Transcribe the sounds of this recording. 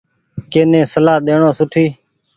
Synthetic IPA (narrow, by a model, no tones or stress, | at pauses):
keːnẽːsəlaːɗ̪eːɳõːsʊʈʰiː